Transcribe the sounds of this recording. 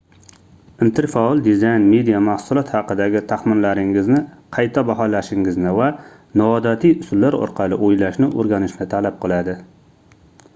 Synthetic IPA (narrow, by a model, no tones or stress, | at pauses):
ɪnt̪ʰɪɾfaɒlˠd̪ɪzajnme̞d̪ijamahsʊlˠɒt̪hɑqɨd̪aɡʲɪt̪ʰaχmɪnlaɾɪŋɪznɪqʰɑjt̪ʰabaɦɒlaʃɪŋɪznɪva | nɒɒd̪at̪ʰijʊsʊlːaɾɒ̰ɾqʰɑlˠɪ̰ʔojlaʃnɪʔoɾɡʲanɪʃnɪt̪ʰalap̚qʰɨlˠad̪ɪ